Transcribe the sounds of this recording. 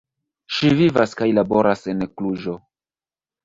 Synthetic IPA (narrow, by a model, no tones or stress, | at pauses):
ʃivivaskajlabo̞ɾase̞nkluʒo̞